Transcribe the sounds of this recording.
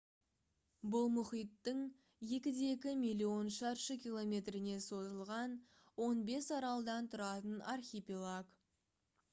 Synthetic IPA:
bʊlˠmʊχijt̪ːəɴ | je̞kʲɪd̪eekʲɪmijlʲˠio̞nʃɑɾʃəkʲʰijlˠo̞mʲe̞t̪ɾɪne̞so̞zəlˠʁɑn | wo̞nbe̞sɑɾɑlˠd̪ɑnt̪ʰʊɾɑt̪ənarχʲipʲilˠaɡ

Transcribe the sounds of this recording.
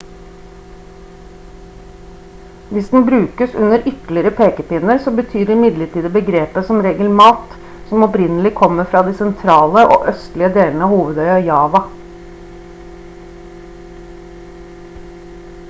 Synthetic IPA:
ʋɪsd̪n̩bɾʉːkəsʉ̰nəɾʔʏklɪɾəpʰeːkəpɪnəɾsoːbət̪ʰyːɖɛɪmɪd̪ləʈiːd̪əbəɡɾeːpəsɔmɾeːɡəlmɑːt̪ | sɔmɔpɾɪnəlɪkʰɔməfɾɑːd̪iːsɛnt̪ʰɾɑːləʔo̰ːʔœst̪lɪəd̪eːlnəɑːhuːʋəd̪œʏɑjɑːʋɑ

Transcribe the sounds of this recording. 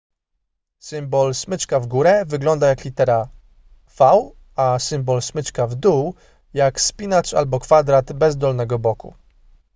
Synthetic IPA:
sɘmbɔlsmɘt͡ʂkavɡuɾɛvɘɡlɔnd̪ajaklʲit̪ɛɾa | faw | asɘmbɔlsmɘt͡ʂkavd̪uw | jakspʲinat͡ʂa̰lbɔkfad̪ɾad̪bɛzd̪ɔlnɛɡɔbɔkṵ

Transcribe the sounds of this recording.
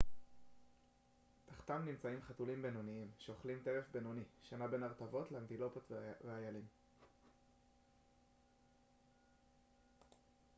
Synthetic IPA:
t̪aχt̪amnimt͡saimχatulimbe̞no̞niimʃe̞o̞χlimt̪e̞ʁefbe̞no̞niʃanabe̞naʁt̪avo̞tleantilo̞potvʁeajalim

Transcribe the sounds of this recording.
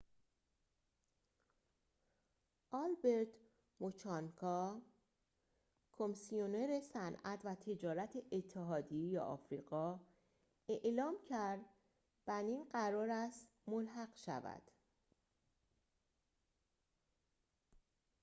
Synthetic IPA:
ʔɒlbe̞ɾt̪ʰ | mot͡ʃʰɒnkʰɒ | kʰomisioneɾe̞sænʔæt̪ʰvæt̪ʰe̞d͡ʒɒːɾæt̪ʰeʔet̪ʰːeɦɒːd̪ijejḛʔɒ̰ːfɾiːɢɒː | e̞ʔlɒːmcʰæɾd̪ | b̥æninɢæɾɒːɾæst̪molɦæɢʃæ̰væ̰d̪̥

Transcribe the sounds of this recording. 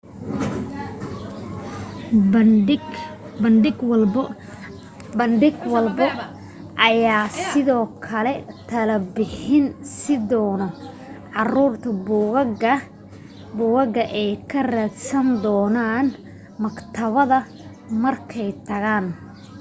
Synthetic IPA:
bɐnɖɪɡw | bɐnɖɪɡwɐlbɐ | ʔɐjaːsɪðɔːkʰɐlɛt̪ʰɐlɐbɪħɪnsɪd̪ɔːnɔ | ʕɑruːrt̪ʰɐɡ | bʊɣɐɡɐʔɛjkʰɐrɛd̪sɐnd̪ɔːnaːn | mɐkt̪ʰɐβɐðɐ | mɐrkʰɛjt̪ʰɐɣaːn

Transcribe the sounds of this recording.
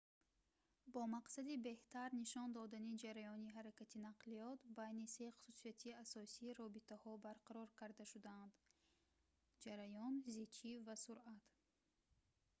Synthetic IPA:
bɔmaqsad̪ibe̞ht̪ʰaɾniʃɔnd̪ɔd̪anid͡ʒaɾajɔniɦaɾakat̪ʰinaqliɔt̪bajnise̞χu̥susiat̪ʰiasɔsiːɾɔbit̪ʰahɔbaɾqaɾɔɾkʰaɾd̪aʃud̪and̪ | d͡ʒaɾajɔnzit͡ʃʰivasuɾat̪

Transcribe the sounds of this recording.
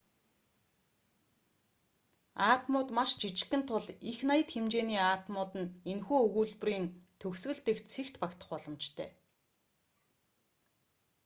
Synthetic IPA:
aːt̪mʊːt̪maʃt͡ɕit͡ɕɪ̥̆kɘ̆nt̪ʰʊɮixnajə̆t̪xemt͡ɕeːniːaːt̪mʊːt̪ɘ̆nenxuːɵɣuːɮp̆riːnt̪ʰɵksɣɘ̆ɮt̪ɘ̆kt͡sʰikt̪pakt̪ə̆χpɔɮɞ̆mt͡ɕt̪ʰœ̰ː

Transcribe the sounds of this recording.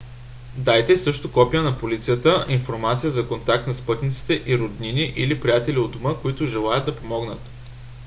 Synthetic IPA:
d̪ajt̪ɛsɤʃt̪okɔpijənɐpolit̪sijət̪əʔinfoɾmat̪sijəzɐkont̪ak̚t̪nɐspɤt̪nit̪si̥t̪ɛʔiɾod̪niniʔilipɾijat̪ɛliod̪ʊməkoit̪ʊʒɛlˠajəd̪ɐpomɔɡnət̪

